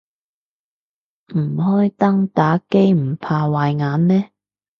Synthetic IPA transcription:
m̩˨˩ɦɔː˥jt̪ɐ˥ŋt̪aː˨˥ke˥jm̩˨˩pʰaː˧waː˨jŋaː˨˧˥nmɛː˥

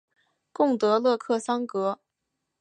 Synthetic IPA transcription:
kʊ˥˩ŋt̪ɤ˧˥lɤ˥˧kʰɤ˥˩sɑ˥ŋkɤ˧˥

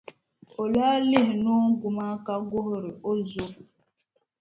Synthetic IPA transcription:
o˨laː˦li˦ɦno˦ŋ̩˦ɡu˨ma˦ka˦ɡo˦ɦɾɪ˨ʔo˦zo˦

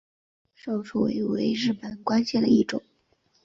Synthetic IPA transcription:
ʂo˨˩ʊʂu˥˩wḛ˧˥ɪwḛ˧˥ɪɻɻ̩˥˩pə˨˩nkwa˥nɕjɛ˥˩nd̪ə˩i˥˩ʈ͡ʂʊ̰˨˩˦ŋ

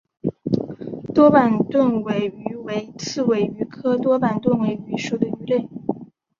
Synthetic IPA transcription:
t̪wɔ˥pa˨˩nt̪wə˥˩nwe˧˥ɪy˧˥we˧˥ɪt͡sʰɹ̩˥˩we˧˥ɪy˧˥kʰɤ˥t̪wɔ˥pa˨˩nt̪wə˥˩nwe˧˥ɪy˧˥ʂo˨˩d̪ə˩y˧˥le˥˩ɪ

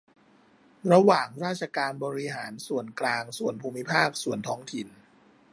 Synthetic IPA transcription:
ɾa˧waː˨˩ŋɾaː˥˩t̪̚sʰa˧kaː˧nbɔː˧ɾi˦ɦaː˩˦nsu˨˩ənklaː˧ŋsu˨˩ənpʰuː˧mːi˦˥pʰaː˥˩k̚su˨˩ənt̪ʰɔː˦˥ŋt̪ʰi˨˩n

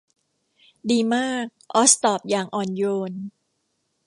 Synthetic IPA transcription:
diː˧maː˥˩k̚ʔɔ˦˥st̪ɔː˨˩p̚jaː˨˩ŋʔɔː˧njoː˧n

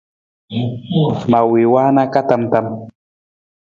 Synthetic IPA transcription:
ma˨wɪ˨waː˦na˦ka˦t̪a˨mt̪a˨m

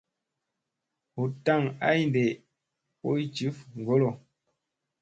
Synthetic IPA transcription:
hu˨ta˦˨ŋa˦i˦n˨de˨ | po˦i˦t͡ʃi˨˦fŋ̩˨ɡo˦lo˨

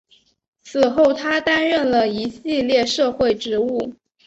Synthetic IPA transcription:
t͡sʰɹ̩˨˩xo˥˩ʊt̪ʰa˥t̪a˥nɻə˥˩nlə˩i˧˥ɕi˥˧ljɛ˥˧ʂɤ˥˧xwe˥˩ɪʈ͡ʂɻ̩˧˥u˥˩

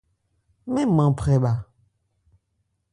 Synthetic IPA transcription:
mẽ˦mã˨pɾɛ˨ɓa˨

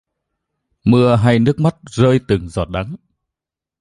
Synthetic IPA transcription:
mɨ˧əɦa˧jnɨ˦˥ək̚ma˦˥t̚zəː˧jt̪ɨ˨˩ŋzɔ̰˨˩t̚ɗa˨˦ŋ

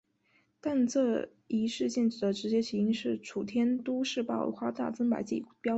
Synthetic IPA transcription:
t̪a˥˧nt͡sɤ˥˩ | i˧˥ʂɻ̩˥˧t͡ɕɛ˥˩nʈ͡ʂɻ̩˨˩d̪ə˦ʈ͡ʂɻ̩˧˥t͡ɕjɛ˥t͡ɕʰi˧˥i˧˥ŋʂɻ̩˥˩ʈ͡ʂʰu˨˩t̪ʰjɛ˥nt̪u˥ʂɻ̩˥˧pɑ˥˩ʊxwa˥t̪a̰˥˩t͡sə˥ŋpa̰˨˩ɪt͡ɕḭ˥˩pjɑ˥

